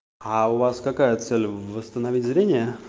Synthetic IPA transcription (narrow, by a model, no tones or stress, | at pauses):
aʊvaskɐkajət̪sɛlʲvəst̪ənɐvʲitʲzɾʲenʲɪjə